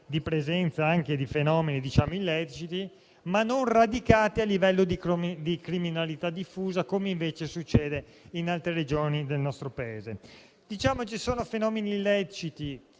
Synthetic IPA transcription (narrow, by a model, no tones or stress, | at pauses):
d̪ipɾezɛnt̪saaŋked̪ifenɔːmenid̪it͡ʃaːmoilːɛt͡ʃit̪i | manːonrad̪ikaːt̪ialːivɛlːod̪id̪ikɾiminalit̪ad̪ifːuːzakomeiɱveːt͡ʃesut͡ʃːɛːd̪einalt̪ɾeɾed͡ʒoːnid̪elnɔst̪ɾopaeːze | d̪̥it͡ʃaːmot͡ʃisoːnofenɔːmenilːɛt͡ʃit̪i